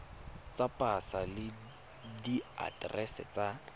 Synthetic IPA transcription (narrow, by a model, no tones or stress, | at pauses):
t͡sapʼasalɪ | dia̰drɛsɛ̰t͡sa